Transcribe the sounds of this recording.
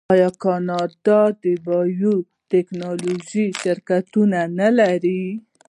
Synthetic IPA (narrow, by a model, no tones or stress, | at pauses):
ɑjɑkɑnɑd̪ɑd̪əbɑju | teknɑloʒiʃɪɾkat̪unanalaɾi